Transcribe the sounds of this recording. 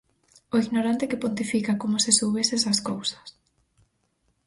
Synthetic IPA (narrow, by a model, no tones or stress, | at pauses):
oiɣnoɾant̪ekɪpont̪ifikakomʊsɪsowβesesɐskowsɐ̥s